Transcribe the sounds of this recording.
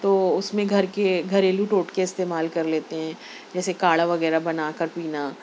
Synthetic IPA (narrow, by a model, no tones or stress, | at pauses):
t̪oːʊsmẽɡʱɐɾkeɡʱɐɾeːluʈoːʈkeɪst̪eːmaːlkɐɾleːt̪eɦɛ̃ː | d͡ʒɛːsekaːɭaʋɐɣɛːɾabɐnaːkɐɾpiːnaː